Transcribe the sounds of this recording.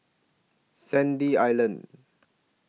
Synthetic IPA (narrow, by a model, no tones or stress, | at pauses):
sɛ̃ndiajlə̃n